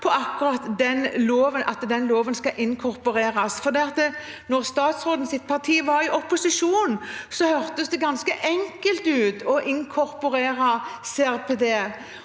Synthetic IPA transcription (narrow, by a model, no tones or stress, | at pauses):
pʰɔɑkːʊʁɑt̪d̪ɛnloːʋənʔɑt̪d̪ɛnloːʋənskɑʔɪŋkʰɔɾpʊɾeːɾɑsfɔʁd̪ɛːɑt̪ː | nɔʁst̪ɑːt̪sʁoːd̪ən̩sɪt̪̚pʰɑʁt̪ʰiːʋɑɾɪʔɔpːʊsɪʂuːnsɔhœɾt̪əsd̪ɛɡɑnskəʔɛŋkəlt̪ʉːt̪ɔʔɪŋkʰɔɾpʊɾeːɾɑseːæʁpʰeːd̪eː